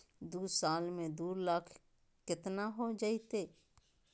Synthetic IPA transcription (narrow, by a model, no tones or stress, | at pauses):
d̪uːsaːlmẽd̪uːɾlaːkʰ | kɪt̪naɦod͡ʒaːit̪eː